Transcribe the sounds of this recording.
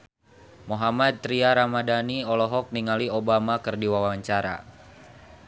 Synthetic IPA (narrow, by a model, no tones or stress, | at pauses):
moɦamat̪̚ːɾiaɾamadaniɔlɔɦɔk̚niŋaliobamakɨrdiwawaɲt͡ʃaɾa̰